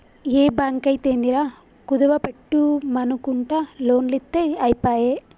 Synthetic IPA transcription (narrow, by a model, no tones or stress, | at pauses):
eːbaːŋkɐjit̪eːnd̪iɾaː | kud̪ɐʋɐpeʈːumɐnukuɳʈalo̞ːnlit̪ːeɐjpaːje